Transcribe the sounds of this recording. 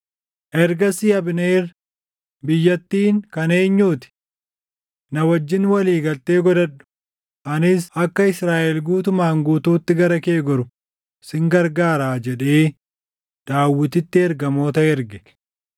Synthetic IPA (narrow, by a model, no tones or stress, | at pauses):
ʔɛɾɡɐsɪɐbneːr | bɪjːɐt̪ːiːŋkɐne̞ːɲːuːt̪ɪ̥ | nɐwɐd͡ʒːɪnwɐliːɡɐlt̪e̞ːɡɔd̪ɐᶑʊ̥ | ʔɐnɪs̬ɐkːɐɪsɾaːʔɛlɡuːt̪ʊmaːŋɡuːt̪uːt̪ːɪɡɐɾɐke̞ːɡɔɾʊ | sɪŋɡɐɾɡaːɾaːd͡ʒɛᶑe̞ː | d̪̥aːwːɪt̪ɪt̪ːɪɛɾɡɐmo̞ːt̪ɐɛɾɡɛ̥